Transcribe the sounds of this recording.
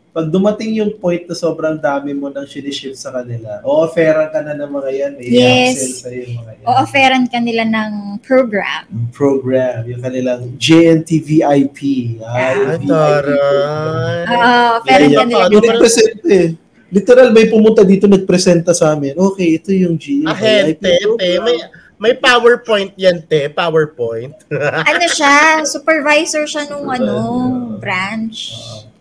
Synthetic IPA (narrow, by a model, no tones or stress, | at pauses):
pɐɡ̚d̪ʊmɐt̪ɪŋjʊŋpo̞jnt̪̚nɐso̞ːbɾɐŋd̪aːmɪmo̞nɐŋʃɪnɪʃɪt̪sɐkɐnɪlaʔoːʔɐfɛːɾɐnkɐnɐnɐŋmɐŋajanmɐjɛsɛlsɐjoŋɐŋɐjaʔoʔɐfɛːɾɐnkɐnɪlanɐŋpɾoɡɾa̰mpɹoɡɹamjʊŋkɐnɪlaŋd͡ʒɛɛnt̪iviʔajpʰiavia | ʔoɐfɛɾɐkɐnɪlanɐɡpɾɛsɛnt̪ɛ | lɪt̪ɛɾalmɐjpʊmʊnt̪ad̪iːt̪o̞nɐɡ̚pɾɛsɛnt̪ɐsɐaːmɛnʔoːkɛjʔɛt̪o̞jʊŋd͡ʒiʔɛnɐh̪ɛajpiɛoɛmɐj | mɐjpaːwɛɹpojnt̪̚jɐnt̪ɛpaːwɛɹpojnt̪̚ʔɐnoʃasupɛɹvajsɛɹʃanʊŋʔɐnoobɾant͡ʃ